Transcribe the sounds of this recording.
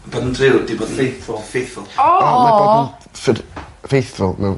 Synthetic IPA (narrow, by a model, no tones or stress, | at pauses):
bodəndrɪwdiboːdfejθʊlˠfejθʊlˠɔɔmɛbo | fɪd | fejθʊlˠmɛw